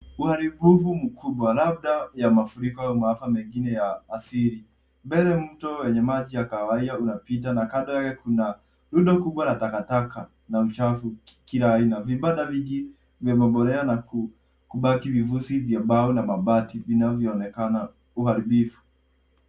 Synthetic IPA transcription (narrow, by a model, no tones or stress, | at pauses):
uhaɾiɓufum̩kʰuɓwalab̚ɗajamafuɾikɔaumaafamɛŋɡinɛjaːsiɾi | mbɛlɛm̩tɔwɛɲɛmaʄijakawaiɗaunapit̬anakaɗɔjakɛkuna | luɗakuɓwalatakatakʰa | naut͡ʃafukilaːinaviɓaɗaviʄi | vjamaɓɔɾɛanaku | kuɓakivivusivjaɓaɔnamaɓativinavjɔːnɛkana | uhaɾiɓifu̥